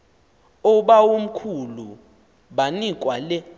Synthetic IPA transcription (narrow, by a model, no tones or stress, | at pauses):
ɔɓawom̩kʰulu | ɓanik̬ʼwalɛ